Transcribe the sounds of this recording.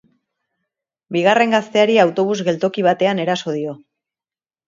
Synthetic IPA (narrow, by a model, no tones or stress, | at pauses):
biɣare̞ŋɡast̪e̞aɾiawt̪o̞β̞uzɣe̞lt̪o̞kiβ̞at̪e̞ane̞ɾaso̞ð̞io̞